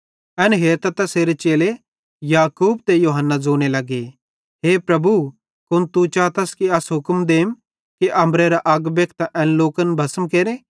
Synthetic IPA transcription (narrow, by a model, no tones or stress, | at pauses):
ɛnɦeːɾt̪ɐt̪ɐseːɾet͡ʃeːle | jaːkuːbt̪ejoːɦənːad͡zoːñelɐɡe | ɦeːpɾɐbu | kʊnt̪ut͡ʃaːt̪ɐskiɐsɦʊkmd̪eːm | kiʔɐ̃mɾeɾaʔɐɡbjɐk̚ʰt̪ʔɛ̃ːnloːkənbʱɐsəmkeːɾẽː